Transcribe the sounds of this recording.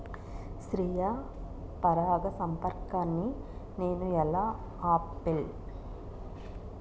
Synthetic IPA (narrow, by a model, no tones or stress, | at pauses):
ʃɾijɐ | pɐɾaːɡɐsɐmpɐɾkaːnːi | ne̞ːnuɛlaː | aːpːil